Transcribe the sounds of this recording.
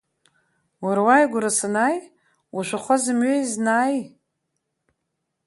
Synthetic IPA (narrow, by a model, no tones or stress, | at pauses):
waɾwajɡʷʊɾasanaj | uʃʷaχʷazɨmɥeiznaːj